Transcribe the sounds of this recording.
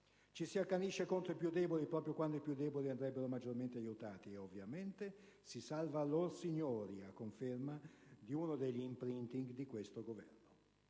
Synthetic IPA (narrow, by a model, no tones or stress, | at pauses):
t͡ʃisiakːaniʃːekont̪ɾoipjud̪ɛːbolipɾɔːpɾjokwand̪oipjud̪ːɛːboliand̪ɾɛbːeɾomad͡ʒːorment̪eajut̪aːt̪ieovːjament̪e | sisalvaːlːorsiɲːoːɾiakːoɱfermad̪iunod̪eʎːiːmpɾint̪iŋɡd̪ikwest̪oɡovɛ̰rno